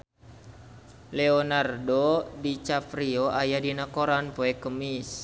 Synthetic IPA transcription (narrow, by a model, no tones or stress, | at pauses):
lɛɔnardodit͡ʃafɾioajadinakoɾanpoɛkəmis